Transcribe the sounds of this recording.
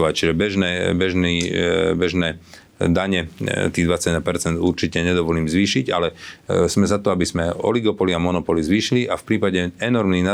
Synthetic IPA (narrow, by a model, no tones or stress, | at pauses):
ʋact͡ʃiʒɛbɛʒnɛːbɛʒniːbɛʒnɛː | d̪aɲɛt̪iːd̪ʋat͡saɟd̪apɛɾt͡sɛnd̪uɾt͡ʃicɛɲɛd̪ɔʋɔliːmzʋiːʃiɟalɛz̥mɛzat̪ɔabizmɛɔ̰liɡɔpɔliamɔnɔpɔlizʋiːʃiliʔafpɾiːpaɟɛɛnɔɾmnina